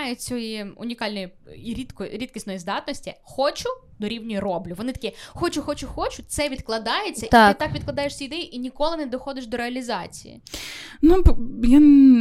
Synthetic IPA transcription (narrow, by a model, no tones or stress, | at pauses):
jɛt͡sʲɔjiʊ̰nʲikɑlʲnɔjiiɾʲit̪kɔɾʲit̪̚kʲisnɔjizd̪ɑt̪nɔsʲtʲixɔt͡ʃʊ | d̪ɔɾʲiwnʲɔjirɔblʲʊʋɔnɪt̪ɐkʲɛxɔt͡ʃʊxɔt͡ʃʊxɔt͡ʃʊt̪sɛʋʲid̪klˠɐd̪ɑjet͡sʲːɐʔt̪itɪt̪ɑkʋʲid̪̚klˠɐd̪ɑjeʃsʲijid̪ɛjiʔinʲikɔlˠɪnɛd̪ɔxɔd̪ɪʃd̪ɔɾeɐlʲizɑt͡sʲḭjḭnupja